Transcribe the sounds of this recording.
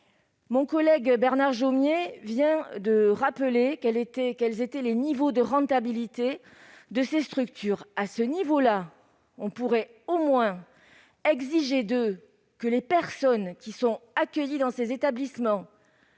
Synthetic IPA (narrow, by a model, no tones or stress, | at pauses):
mɔ̃kɔlɛɡbɛʁnaʁʒomjevjɛ̃d̪əʁapəlekɛlet̪ɛkɛlzet̪ɛlenivod̪əʁɑ̃t̪abilit̪e | d̪əsest̪χykt̪ʰyʁasənivola | ɔ̃puʁɛ | omwɛ̃ | ɛɡziʒed̪ø | kəlepɛʁsɔnkʲisɔ̃akʲəjid̪ɑ̃sezet̪ablismɑ̃